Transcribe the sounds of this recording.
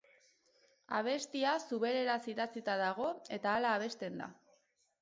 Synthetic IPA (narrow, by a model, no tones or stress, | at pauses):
aβ̞e̞st̪iasuβe̞ɾe̞ɾasiðat͡sit̪aðaɣ̞o̞e̞t̪aːlaːβ̞e̞st̪e̞nd̪a̰